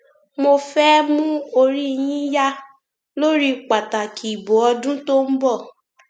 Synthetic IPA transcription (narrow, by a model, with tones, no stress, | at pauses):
mo˧fɛ˦mũ˦o˧ɾi˦˨j̃ĩ˦ja˦ | lo˦ɾi˦k͡pa˨ta˨kʰi˨i˨bo˨˦ɔ˧dũ˦to˦m̩˦bɔ˦˨